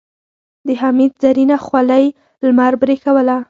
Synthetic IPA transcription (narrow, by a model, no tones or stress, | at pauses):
d̪əɦamid̪̚zaɾinaxwaləj | lmaɾbɾekawəla